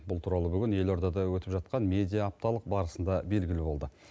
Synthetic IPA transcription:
bʊlˠt̪ʰuɾɑlˠəbʏɡʲɪnje̞lo̞ɾd̪ɑd̪ɑwɵt̪ɪpʒɑt̪̚qɑnmʲe̞d̪ijɑːp̚t̪ɑlˠəq̚bɑɾəsənd̪ɑbe̞lɡʲɪlɪbo̞lˠd̪ə

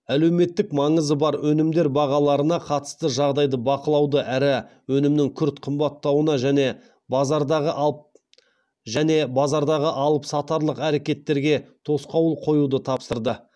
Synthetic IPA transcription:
æle̞wme̞t̪ːɪkmɑɴəzəbɑɾwɵnɪmd̪e̞ɾbɑʁɑlˠɑɾənɑqʰɑt̪ə̥st̪əʒɑʁd̪ɑjd̪əbɑqəlˠɑwd̪əʔæɾɪwɵnɪmnɪŋkʲʰʏɾt̪qʰəmbɑt̪ːɑwənɑʒæne̞ | zɑɾd̪ɑʁə | ʒæne̞bɑzɑɾd̪ɑʁəʔɑlˠəpsɑt̪ɑɾlˠəqæɾe̞kʲe̞t̪ːe̞ɾɡʲe̞t̪ʰo̞sqɑwəlˠqʰo̞jud̪ət̪ʰɑpsəɾd̪ə

